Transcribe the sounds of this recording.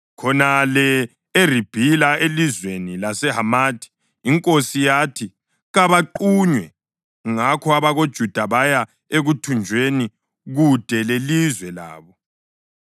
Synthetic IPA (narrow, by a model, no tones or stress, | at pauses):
kʰɔnalɛ | erib̥ʱilaelizwenilasɛɦamaːtʰi̥ː | ŋkʼosijatʰi | ɣaβaǃuɲwɛ | ŋakʰɔaβaɣod̥ʒ̥ʱud̥ʱaβaja | eɣutʰund͡ʒʱweni | ɣud̥ʱɛlelizwɛla̰ːβɔ